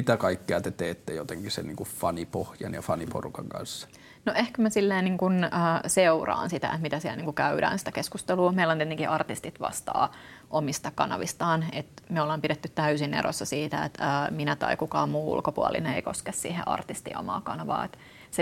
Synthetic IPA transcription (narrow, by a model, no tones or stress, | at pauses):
it̪ækɑikːeɑt̪et̪eːt̪ːejot̪eŋkisḛniːŋkuffɑnipohjɑnjɑfɑnipo̰rukɑŋkɑ̰nsːɑ̥ | noʔehkømæsilːeːniːŋkunəːseurɑ̰ːnsit̪æ̰ḛt̪mit̪æsiælniːŋkukæyɾæ̰ːnsi̥t̪ækeskust̪eluːmeilːoniet̪eŋkiʔɑrt̪ist̪it̪ʋɑ̰st̪ɑ̰ːʔomist̪ɑkɑnɑ̰ʋist̪ɑːnet̪meolːɑːmpiɾet̪ːyt̪t̪æysinḛɾʔo̰sːɑsiːt̪æḛt̪əːminæt̪ɑ̰ikukɑːmuːṵlkopuɑlḭneeikoskessḭːhḛʔɑ̰rt̪ist̪ḭːo̰mɑ̰ːkɑnɑʋɑ̰ːet̪ | se